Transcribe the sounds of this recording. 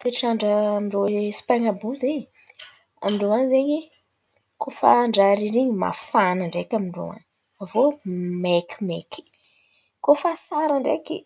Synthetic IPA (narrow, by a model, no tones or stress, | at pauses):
t̪eʈ͡ʂaɳɖ͡ʐəmiɖ͡ʐosi̥paŋabuzeɲi | a̰miɳɖ͡ʐoanzeɲi | kʰofa̰ɳɖ͡ʐaɾiɾiɲima̰fanaɳɖ͡ʐekʲamiɳɖ͡ʐo̰a̰n | favomekʲi̥meki̥ | kofasaɾaɳɖ͡ʐeki